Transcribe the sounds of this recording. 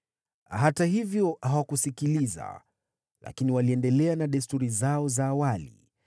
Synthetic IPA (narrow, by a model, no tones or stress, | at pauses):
ɦataɦivjɔhawakusikiliza̰ | la̰kiniwaliɛndɛlɛanaɗɛstuɾizaɔzaːwalḭ